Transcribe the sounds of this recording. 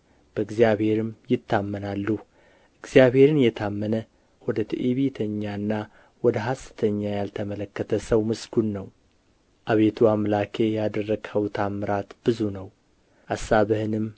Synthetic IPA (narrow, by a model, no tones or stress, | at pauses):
b̥əɨɡzijaβhe̞ɾɨmjɪt̪ːamːənalːu | ʔɨɡz̥ijabhe̞ɾɨnjɛt̪ʰamːənə | wɔd̪ət̪ʰiʔeβit̪ʰəɲːanːa | wɔd̪əɦasɨ̥t̪ʰəɲːajalt̪ʰəmələkːət̪ʰəsəwmɨsɡunːəw | ʔaβe̞t̪ʰuamlakʰe̞jad̪ərːəɡhəwt̪ʰamːɨɾat̪b̥ɨzunəw | ʔasːaβɨhɨnɨm